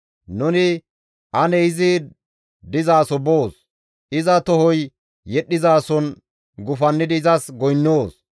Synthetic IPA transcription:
nʊnɪ | ʔɐnɛɪzɪ | d̪ɪzaːsɔboːs | ʔɪzɐt̪ɔhɔj | jɛɗːɪzaːsɔn | ɡʊfɐnːɪd̪ɪːzɐsɡɔjnːoːs

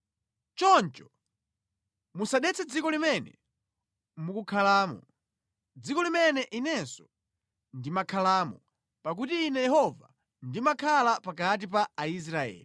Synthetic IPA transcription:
t͡ʃɔnt͡ʃɔ̥ | musaɗɛt͡sʰɛd͡zikɔlimɛnɛ̰ | mukukʰalaːmɔ̰ | d͡zikɔlimɛnɛʔinɛnsɔ̥ | ndimakʰalaːmɔ | pak̬utiːnɛjɛhɔva̰ | ndimakʰalapakat̬ip̬aːis̬ɾaɛ̰ːli

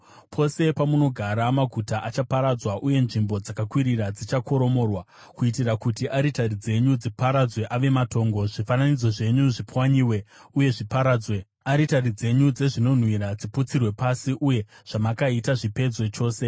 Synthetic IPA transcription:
pʰo̞se̞pamuno̞ɡʱaɾamaɡʱutaʔat͡ʃapaɾad͡zwaʔuje̞nʐimbo̞d͡zakakwiɾirad͡zit͡ʃako̞ɾo̞mo̞rwa | kuitirakutiʔaɾitarid͡ze̞ɲud͡zipaɾad͡zwe̞ʔaʋe̞mato̞ːŋɡo̞ʐifananid͡zo̞ʐe̞ɲuʐipwaɲiːwe̞uje̞ʐipaɾaːd͡zwe̞ | aɾitarid͡ze̞ɲud͡ze̞ʐino̞n̤wiɾad͡ziput͡sirwe̞pasiʔuje̞ʐ̥amakaitaʐipe̞d͡zwe̞t͡ʃo̞ːse̞

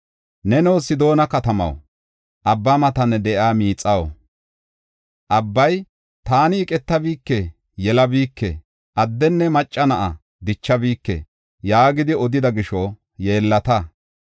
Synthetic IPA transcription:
nɛnɛwsɪd̪o̞ːnɐkɐt̪ɐmɐ̰w | ʔɐbːamɐt̪ɐnːɛd̪ɛʔaːmiːt͡sʼːɐw̰ | ʔɐbːɐj | t̪aːnɪːkʼɛt̪ːɐbiːkːɛ | jɛlɐbiːkːɛ̰ | ʔɐd̪ːɛnːɛmɐt͡ʃʼːɐnɐʔɐ | d̪ɪt͡ʃːɐbiːkːɛ̰ | jaːɡɪd̪ɪɔd̪ɪd̪ɐɡɪʃɔ | je̞ːlːɐt̪ɐ

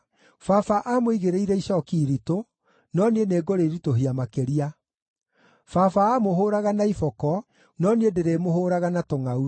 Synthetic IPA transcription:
fafaʔamoiɣeɾeiɾɛiɕɔːkiɾito | nɔneneːɡoɾeɾitoɦiamakeɾia | fafaːmoɦoːɾaɣanaifɔkɔ | nɔniedeɾemohoːɾaɣanatoŋau

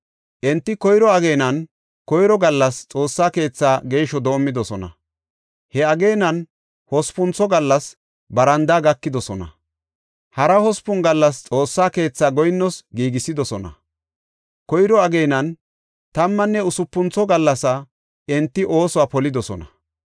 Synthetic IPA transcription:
ʔɛnt̪ːɪkɔjɾɔɐɡejnɐn | kɔjɾɔɡɐlːɐst͡sʼo̞ːsːaːke̞ːt͡sːaːɡe̞ːʃɔd̪o̞ːmːɪd̪ɔsɔnɐ̰ | hɛɐɡejnɐn | hɔspʊnt͡sːɔɡɐlːɐs | bɐɾɐnd̪aːɡɐkːɪd̪ɔsɔnɐ̰ | hɐɾɐhɔspʊnɡɐlːɐst͡sʼo̞ːsːaːke̞ːt͡sːaːɡɔjnːɔsɡiːɡɪsːɪd̪ɔsɔnɐ̰ | kɔjɾɔɐɡejnɐn | t̪ɐmːɐnːɛʊsʊpːʊnt͡sɔɡɐlːɐsɐ | ɛnt̪ːɪʔo̞ːsɔwaːpɔlɪd̪ɔsɔ̰nɐ

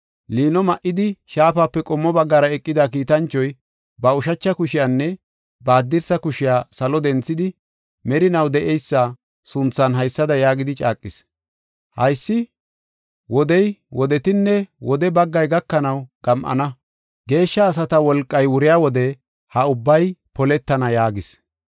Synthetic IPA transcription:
liːnɔmɐʔɪd̪ɪʃaːfaːpːɛkʼɔmːɔbɐɡːaːɾɐɛkʼːɪd̪akiːt̪ɐnt͡ʃːɔj | bɐʊʃɐt͡ʃːɐkʊʃɪjanːɛ | baːd̪ːɪɾsɐkʊʃɪjaːsɐlɔd̪ɛnt͡sːɪd̪ɪ | mɛɾɪnɐwd̪ɛʔɛjsːa | sʊnt͡sːɐnɦɐjsːɐd̪ɐjaːɡɪd̪ɪt͡ʃʼa̰ːkʼːɪs | hɐjsːɪ | wɔd̪ɛjwɔd̪ɛt̪ɪnːɛwɔd̪ɛbɐɡːɐjɡɐkːɐnɐwɡ̥ɐmʔɐ̰nɐ | ɡe̞ːʃːɐːs̬ɐt̪ɐwɔlkʼːɐjwʊɾɪjaːwɔd̪ɛ | hɐʊbːɐjpɔlɛt̪ːɐnɐjaːɡɪs

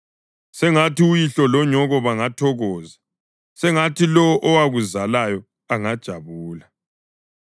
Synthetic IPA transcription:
sɛŋatiujiɬɔlɔɲɔɣɔβaŋatʰɔɣɔːza | sɛŋatilɔʔɔwaɣuzalajɔ | aŋad̥ʒ̥ʱaβuːla

